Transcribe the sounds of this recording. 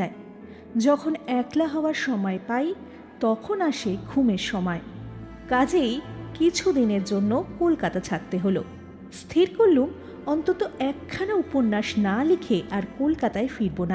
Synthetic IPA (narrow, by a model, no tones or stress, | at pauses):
ae | d͡ʑɔkʰonɛklaɦɔoaɾʃɔmɔepaj | t̪ɔkʰonaʃeɡʱumeɾʃɔmɔe | kad͡ʑejkit͡ɕʰud̪ineɾd͡ʑonːokolkat̪at͡ɕʰat̪ːeɦolo̰ | st̪ʰiɾkoɾːum | ɔnt̪ot̪oɛkʰːanauponːaʃnalikʰeʔaɾkolkat̪aefiɾbona